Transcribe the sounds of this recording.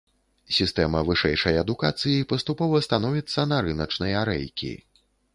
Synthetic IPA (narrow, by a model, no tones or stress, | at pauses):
sʲist̪ɛmɐvɨʂɛjʂɐjɐd̪ukat̪sɨjipɐst̪upɔvɐst̪anɔvʲit̪sːɐnɐɾɨnɐt͡ʂnɐjaɾɛ̰jkʲḭ